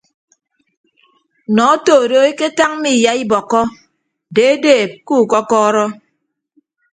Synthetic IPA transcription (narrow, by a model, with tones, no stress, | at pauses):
nɔ˨˦toː˨ɾo˦e˦ke˦ta˦ŋ˦mi˦˨ja˦i˦bɔ˨kːɔ˦ | de˨e˦deː˦˨p̚kuː˦˨kɔ˦kɔː˦ɾɔ˦